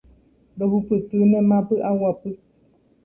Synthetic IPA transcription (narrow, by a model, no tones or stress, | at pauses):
bəbupɨtɨnɛmapɨʔawapɨ